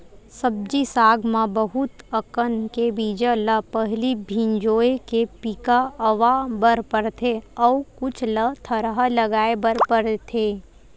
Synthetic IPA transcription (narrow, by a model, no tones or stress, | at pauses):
səb̚d͡ʒisaːɡmãbəɦʊt̪əkənkebiːd͡ʒələpəɦlibʱĩnd͡ʒoːekepiːkaɐʋabəɾpəɾt̪ʰeɔːkʊt͡ʃʰlət̪ʰəɾɦalɐɡaːebəɾpəɾt̪ʰeː